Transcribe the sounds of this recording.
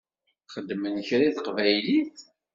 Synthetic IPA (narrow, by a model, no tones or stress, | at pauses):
χəd̪ːmənçɾiθəqvæjliθ